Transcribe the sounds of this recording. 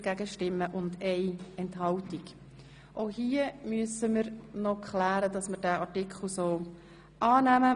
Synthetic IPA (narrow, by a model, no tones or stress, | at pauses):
ɡ̥æɡəʃtɪmːəʔʊndeɪɛntɦɑltiɡ | ʔoʊhiːəmyəsəməɾnɔkχlæːɾədɑsmədæːɑɾtɪkʰχl̩soː | ʔɑːnæmə